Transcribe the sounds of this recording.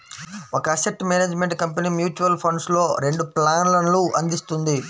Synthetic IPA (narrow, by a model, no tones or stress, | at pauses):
ɔkɐːsep̚ʈmeːneːd͡ʒme̞ɳʈkɐmpeniːmjuːt͡ʃuʋɐlpʰoɳɖslo̞ːɾe̞ɳɖuplaːnlɐnluʔɐnd̪ist̪und̪i